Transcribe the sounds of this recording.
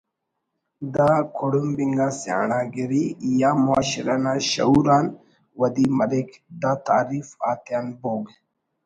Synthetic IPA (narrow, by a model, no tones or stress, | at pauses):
d̪akʰoɽumbiŋɡasja̰ːɳaːɡeɾijaːmua̰ːɕiɾanaɕɐ̰uɾaːn | wɐd̪imɐlekd̪at̪a̰ːɾifaːt̪jaːnboːɡ